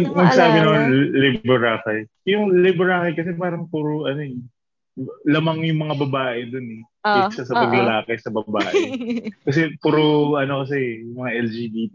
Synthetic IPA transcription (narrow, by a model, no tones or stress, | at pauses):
mɐɡsaːbɪnɐmanlɪbbɛɹaːkɐj | jʊŋlɛbɛɹaːkɐjkɐs̬ɛpaːɾɐŋpuːɾoʔɐnoɛ | lɐmɐŋjʊŋmɐŋabɐbaːʔɛd̪onɛ | ɪsɐsɐpɐɡlɐlaːkɛsɐbɐba̰ːʔɛkɐsɛpuːɾoʔɐno̞kɐsɛjʊŋmɐŋaʔɛld͡ʒiːd̪it̪